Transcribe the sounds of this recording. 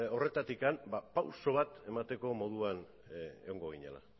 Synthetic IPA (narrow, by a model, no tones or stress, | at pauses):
o̞re̞t̪at̪ikambapawso̞β̞at̪e̞mat̪e̞ko̞mo̞ð̞uan | eɣo̞ŋɡo̞ɣ̞iɲḛla̰